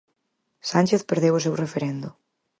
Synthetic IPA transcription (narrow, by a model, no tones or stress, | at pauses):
sanʲt͡ʃeθpeɾðewʊs̬ewrefeɾẽnd̪ʊ